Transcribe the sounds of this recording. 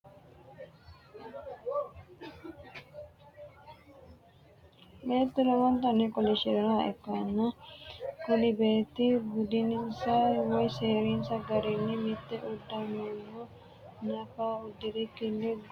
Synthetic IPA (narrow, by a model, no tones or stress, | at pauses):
meːt̪ːuɾɐmɐnt̪ɐnːekɔliʃiɾɐnaḛkːɐnːɐ | kulibeːt̪ibud̪ininsɐwɐjseːɾinsɐɡɐɾinːimit̪ːeʔud̪ːɐmunːu | nɐfaːud̪ːiɾikilːiɡ